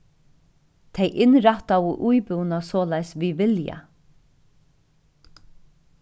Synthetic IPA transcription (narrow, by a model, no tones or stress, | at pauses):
t̪ʰejʔɪnɾaht̪awəʔujpʏwnasɔːlajsʋiʋɪlja̰